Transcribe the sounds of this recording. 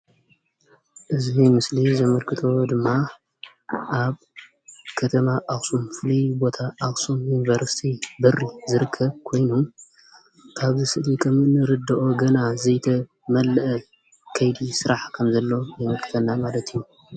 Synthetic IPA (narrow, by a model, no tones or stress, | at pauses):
ʔɨzimɨslizɐmɐlkʰɨt̪ʰo̞d̪ɨmːa | ʔaβ | kʰɐt̪ʰɐmaʔaχsumfɨlibo̞t̪ʰaʔaχsumjunivɐɾsi̥t̪ʰibɨrːizɨɾɨkʰːɐβkʰo̞jnum | kʰaβzɨsɨlikʰʼɐmɨnːɨɾɨd̪ɐʔoɡɐnazɐjt̪ʰɐ | mɐlːɐʔɐ | kʰɐjd̪isɨɾaħkʰɐmzɐlːo̞jɐmɐlkʰɨt̪ʰɐnːamalɐt̪ʰijːu